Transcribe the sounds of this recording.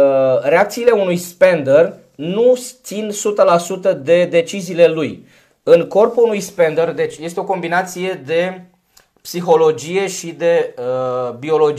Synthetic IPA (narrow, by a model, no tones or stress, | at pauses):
re̞ak̚t̪siːle̞unujspe̞nd̪ər | nut̪sinsut̪əlasut̪əd̪e̞d̪e̞t͡ʃiziːle̞luj | ɨŋko̞rpuunujspe̞nd̪ərd̪e̞t͡ʃʲje̞st̪eo̞ko̞mbinat̪sije̞d̪e̞ | psixo̞lo̞d͡ʒije̞ʃid̪e̞əbio̞lo̞d͡ʒ